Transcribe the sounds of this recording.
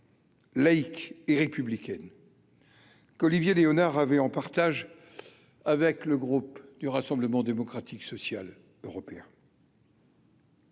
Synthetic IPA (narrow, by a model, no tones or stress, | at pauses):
laikeʁepyblikʲɛn | kɔlivjeleɔnaʁavɛɑ̃paʁt̪aʒ | avɛkləɡʁupd̪̥yʁasɑ̃bləmɑ̃d̪emɔkχat̪ʰiksɔsjal | øʁɔpeɛ̃